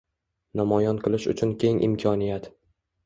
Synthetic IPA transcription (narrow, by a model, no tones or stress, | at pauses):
namɒjɒnqʰɨlˠɪʃʊ̰t͡ʃʰʊnkʲʰe̞ŋʔɪ̰mkʰɒnijat̪